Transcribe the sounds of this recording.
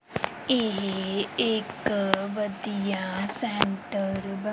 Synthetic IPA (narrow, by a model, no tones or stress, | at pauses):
eɦeːkʋɐd̪ijasẽːɳʈəɾbɐ